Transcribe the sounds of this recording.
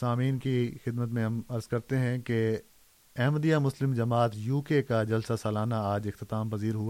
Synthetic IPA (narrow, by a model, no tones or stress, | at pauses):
saːmiːnkixɪd̪mət̪mẽɦɐmɐɾz̥kɐɾt̪eɦɛ̃ke | ɛːmd̪ijamʊslɪmd͡ʒɐmaːt̪juːkekad͡ʒɐlsasɐːlaːnaaːd͡ʒɪxt̪ɪt̪aːmpɐziːɾɦʊa